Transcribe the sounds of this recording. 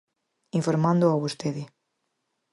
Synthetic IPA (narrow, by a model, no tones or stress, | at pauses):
ĩɱfoɾmãnd̪oaβust̪eðɪ